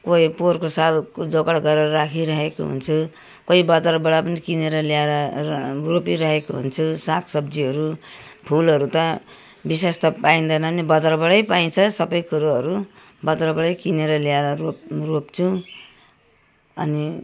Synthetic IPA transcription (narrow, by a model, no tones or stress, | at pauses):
koiporkosalkod͡zokʌɽɡʌɾeʌɾakʰiɾʌɦeko̰ɦṵnt͡sʰu | kʌibʌd͡zaɾbʌɽapʌnikineɾʌljaɾʌropiɾʌɦekoɦṵnt͡sʰusakʰsʌbd͡ziʌɾupʰulʌɾut̪ʌ | bis̬est̪ʌpaĩnd̪ʌnʌnibʌd͡zarbʌɽʌjpaĩt͡sʰʌsʌbʌjkuɾuʌɾu | bʌd͡zarbʌɽʌjkineɾʌliaɾʌroropt͡sʰũ | ʌ̰ni